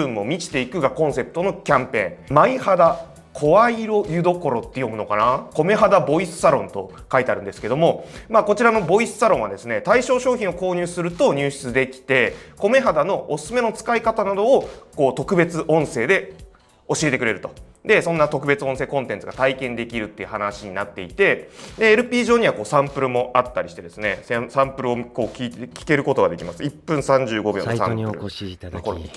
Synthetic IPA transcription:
ɯ̟mo̞mʲit͡ɕi̥t̪e̞ikɯ̟ɡakõ̞ɰ̃se̞pɯ̥t̪o̞no̞kʲãmpẽ̞̰ŋmaihad̪a | kʰo̞βaiɾo̞jɯ̟d̪o̞ko̞ɾo̞t̪ːe̞jo̞mɯ̟no̞kanako̞me̞ɦad̪abo̞isɨ̥saɾõ̞nt̪o̞̰ | kait̪eaɾɯ̟nd̪e̞sɨ̥ke̞d̪omo̞maːko̞t͡ɕiɾano̞bo̞isɨ̥saɾõ̞ɰ̃βa̰d̪esɨne̞t̪aiɕo̞ːɕo̞ːçʲĩɰ̃o̞ko̞ːɲ̟ɨːsɨɾɯ̟t̪o̞ɲ̟ɨːɕi̥t͡sɨd̪e̞kʲi̥t̪e̞ko̞me̞ɦad̪ano̞ʔosɨ̥sɨme̞no̞t͡sɨ̥kaikat̪anad̪o̞ːko̞ːt̪o̞kɯ̟be̞t͡sɨʔõ̞ɰ̃se̞ːd̪e̞ | o̞ɕie̞t̪e̞kɯ̟ɾe̞ɾɯ̟t̪o̞ | d̪e̞sõ̞nːat̪o̞kɯ̟be̞t͡sɨõse̞ːkõ̞nt̪ent͡sɨɡ̥at̪aikẽ̞nd̪e̞kʲiɾɯ̟t̪ːe̞iɯ̟hanaɕiɲ̟inat̪ːe̞it̪e̞d̪e̞ːɾɯ̟pʲiːʑo̞ːɲ̟iβako̞ːsãmpɯ̟ɾɯ̟mo̞ʔat̪ːaɾʲiɕi̥t̪e̞d̪e̞sɨne̞sesãmpɯ̟ɾɯ̟o̞ko̞ːkʲitkʲi̥ke̞ɾɯ̟ko̞t̪o̞ɡad̪e̞kʲimasɨipːɯ̟̃ɰ̃sãɲ̟d͡ʑɨːɡo̞bʲo̰ːosã̰mɯ̰ɾɯ̰nokoɾo̰i

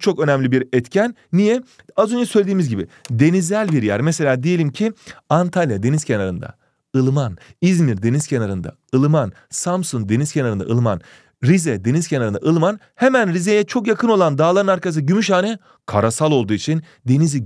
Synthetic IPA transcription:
t͡ʃʰo̞kø̞nɛmlʲibiɾɛt̪cʰænːijɛ | azø̞nd͡ʒɛsø̞jlʲed̪iːmizɟibid̪e̞nizælʲbiɾjæɾmese̞lʲaːd̪ejelʲimcʰiant̪ʰalʲˠjad̪e̞niz̥cʰenaɾɯnd̪a̰ | ɯlˠmanizmiɾd̪e̞nizcʰe̞naɾɯnd̪a̰ | ɯlˠɯman | samsun̚d̪e̞niz̥cʰenaɾɯnd̪a̰ʔɯ̰lˠɯma̰n | ɾizɛd̪e̞niz̥cʰenaɾɯna̰ʔɯlˠɯman | hemænɾizejɛt͡ʃʰo̞kjakʰɯno̞lˠand̪aːlˠaɾɯnaɾkʰas̬ɟymyʃhaːnɛ | kʰaɾasalˠo̞lˠd̪uːit͡ʃʰin | d̪e̞nizi

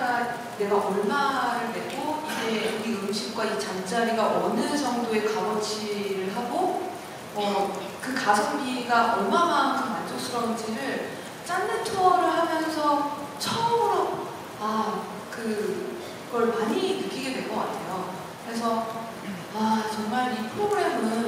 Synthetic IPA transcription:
a | ne̞ɡaʔʌɭmaɾɯɭdwe̞ɡoid͡ʑe̞iɯmɕʰik̚k͈wait͡ɕant͡ɕ͈aɾiɡaʔʌnɯt͡ɕʌŋdoe̞kawʌt͡ɕʰiɾɯɭɦaɡo | ʌ | kɯkasʰoŋɡiɡaʔʌɭmamakʰɯnmand͡ʑosʰuɾʌnt͡ɕʰiɾɯɭ | t͡ɕ͈anːɯtʰʌɾɯɭɦamjʌnsʰʌ | t͡ɕʰʌmɯɾo | a | kɯ | ɡ̥ʌɭmaɲinɯk͈ːiɡe̞dwe̞ɭkʌka̰tʰejo | kɯɾe̞sʰʌ | at͡ɕʌŋmaɾipʰɯɾoɡɯɾe̞mɯn

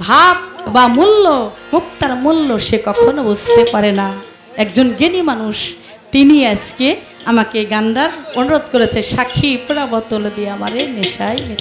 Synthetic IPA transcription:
bʱab̚bamulːomukt̪aɾmulːoʃekɔkʰonobost̪epaɾena | ɛk̚d͡ʑonɡenimanuʃ | t̪iniad͡ʑke | amakeɡanɖaɾonuɾod̪koɾet͡ɕʰeʃakʰːipeɽabɔt̪oled̪ieamaɾeneʃajmit̪

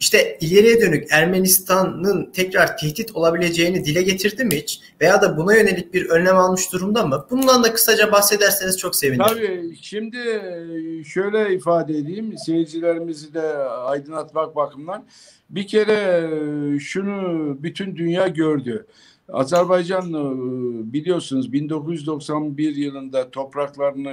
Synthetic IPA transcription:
iʃt̪ʰɛilʲe̞ɾijɛd̪ø̞nycæɾme̞nist̪ʰanːɯnt̪ʰɛcɾaɾt̪ʰɛht̪it̪ʰo̞lˠabilʲe̞d͡ʒe̞jinid̪ilʲɛɟe̞t̪ʰiɾd̪imiit͡ʃ | ve̞jaːd̪abunajø̞ne̞lʲic̚biɾø̞nnɛmalˠmɯʃd̪uɾumd̪amɯbununˠand̪akʰɯ̥sad͡ʒabahse̞d̪æɾsenizt͡ʃʰo̞kse̞vinʰabiʃimd̪ɪ | ʃøjlʲɛifaːd̪ɛed̪ijimse̞jid͡ʒilʲe̞ɾimizid̪ɛajd̪ɯnat̪mak̚bakʰɯmlˠaɾ | bicʰe̞ɾɛ | ʃunubyt̪ʰynd̪ynjaːɟøɾd̪y | a̰zæɾbajd͡ʒan | bilʲijo̞ɾsunuzbind̪o̞kʰuzjyzd̪o̞ksanbiɾjɯlˠɯnd̪at̪ʰo̞pɾaklˠaɾɯnɯ

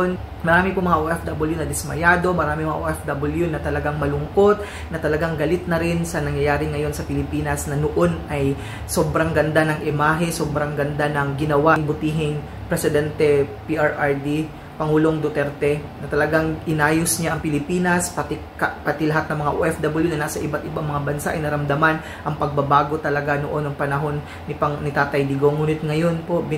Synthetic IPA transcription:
n | mɐɾaːmɪpomɐŋaʔoʔɛfd̪abɐljunɐd̪ɪsmɐjaːd̪o̞mɐɾaːmɪŋmɐŋaʔoːʔɛfd̪ɐbɐljunɐt̪ɐlɐɡaŋmɐlʊŋko̞t̪̚ | nɐt̪ɐlɐɡaŋɡɐlɪt̪̚nɐɾɪnsɐnɐŋjɐjaːɾɪŋɐjo̞nsɐpɪlɪpiːnɐsnɐnoʔo̞nʔɐj | sobɾɐŋɡɐnd̪anɐŋʔɪmaːɦɛsobɾɐŋɡɐnd̪anɐŋɡɪnɐwaŋbʊt̪iːɦɪŋ | pɾɛsɪd̪ɛnt̪ɛpiʔaɹʔaɹd̪i | pɐŋuːlo̞ŋd̪ot̪ɛɾt̪ɛnɐt̪ɐlɐɡaŋʔɪnaːjosɲaʔɐŋpɪlɪpiːnɐspɐt̪i | kɐpɐt̪ilɐɦat̪̚nɐŋmɐŋaʔoʔɛfd̪abɐljunɐnasɐʔɪbat̪ʔɪbaŋmɐŋabɐnsaʔɐ̰jnɐɾɐmd̪ɐman | ʔɐŋpɐɡ̚bɐbaːɡo̞t̪ɐlɐɡanoʔo̞nːɐŋpɐnɐɦo̞nːɪpɐnɪt̪aːt̪ɐjd̪ɪɡoŋuːnɪt̪̚ŋɐjo̞npo̞ʔb

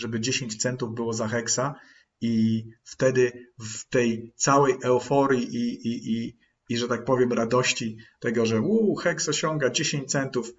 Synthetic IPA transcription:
ʐɛbɘd͡ʑeɕeɲt͡ɕt̪sɛnt̪uvbɘwɔzaxɛksa | ift̪ɛd̪ɘft̪ɛjt̪sawɛjʔɛɔfɔɾʲjiʔiii | iʐɛt̪ak̚pɔvʲjɛmɾad̪ɔɕt͡ɕit̪ɛɡɔʐɛwuxɛksɔɕɔŋɡad͡ʑeɕẽɲt͡ɕt̪sɛnt̪uf

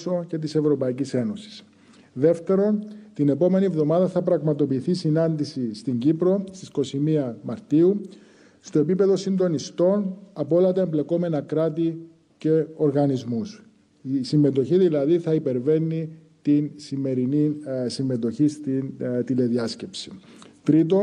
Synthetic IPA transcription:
so̞ce̞t̪̬ise̞vɾo̞pɐicise̞no̞si̥s | ðe̞ft̪e̞ɾo̞nt̪ine̞po̞me̞nievðo̞mɐðɐθɐpɾɐɣmɐt̪o̞piːθisinɐnd̪isist̪iɲɟipɾo̞st̪isko̞simiɐmɐɾt̪iu | st̪o̞e̞pipe̞ðo̞sind̪o̞nist̪o̞nɐpoolɐt̪ɐemble̞ko̞me̞nɐkɾɐt̪̬i | ce̞o̞ɾɣɐnizmus | sime̞t̪̬o̞çiðilɐðiθɐipe̞ɾve̞nːi | t̪insime̞ɾinisimːe̞t̪o̞çist̪int̪ile̞ðiɐsce̞psi̥t̪ɾit̪̬o̞

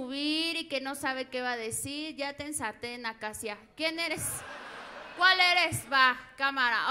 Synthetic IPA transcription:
uβiɾikenosaβekeβaðesiɾjat̪ensat̪enakasjakjeneɾes | kʷaleɾesβakamaɾa̰

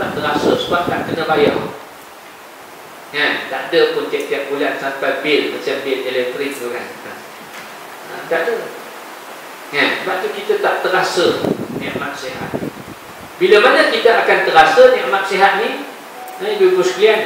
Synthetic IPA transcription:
t̪aʔt̪əɾasəsəuat̪̚kankənəbajɔ̰h | ŋant̪aʔdəpʊnt̪iaʔ̚t̪iat̪̚bulansampajbɪt̪̚mat͡ʃambɪlelɛk̚t̪ɾɪk̚t̪ukanə | ə̰t̪aʔdə | ŋansəbaʔ̚t̪ukit̪ət̪aʔt̪əɾasəneʔmat̪̚siɦa̰t̪̚ni | biləmanəkit̪əʔakant̪əɾasəneʔman̚siɦat̪̚ni | əbəbuskəlian

